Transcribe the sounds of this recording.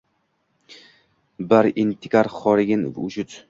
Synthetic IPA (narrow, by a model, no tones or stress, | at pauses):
baɾɪnt̪ʰɪkʲaɾχɒɾɪɡʲɪnv̰ʊt͡ʃʊt̪